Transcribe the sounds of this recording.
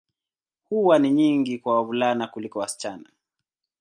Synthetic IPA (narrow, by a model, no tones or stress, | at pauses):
huwaniɲiŋɡikwawavulanakulikɔwasi̥t͡ʃana